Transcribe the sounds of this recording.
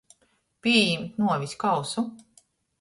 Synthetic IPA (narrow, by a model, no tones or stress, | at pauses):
pʲiɛjimt̪nuɔvʲiskawsu